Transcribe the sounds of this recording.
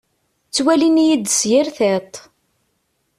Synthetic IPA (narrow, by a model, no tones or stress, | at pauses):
t͡sːwælinijid̪sjɪɾθet̪ˤ